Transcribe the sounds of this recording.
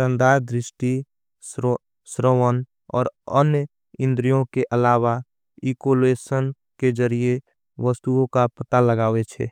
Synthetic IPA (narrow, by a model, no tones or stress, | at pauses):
sə̃nd̪aːɾd̪ɾɪʃʈi | s | sɾəʋən | ɔ̰ːɾənjə | ɪ̃nd̪ɾijõkeʔəlaːwa | ikoleːsən | ked͡ʒəɾie | ʋəst̪uõkapət̪aləɡaːʋet͡ʃʰɛ̰ː